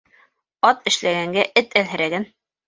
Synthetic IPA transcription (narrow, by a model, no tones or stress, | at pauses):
ɑt̪ɘ̆ʃlæɡæŋɡæʔɘt̪ælɦɘ̆ɾæɡɘn